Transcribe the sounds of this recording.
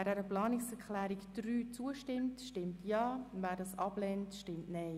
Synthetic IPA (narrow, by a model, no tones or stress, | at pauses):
ɛːdɛːɾəplɑːnɪksɛɾkχlɛːɾikd̥ɾyːt͡suəʃtɪmtʃtɪmtjɑːvæːɾdɑːsɑb̥lɛntʃtɪmtnɛɪ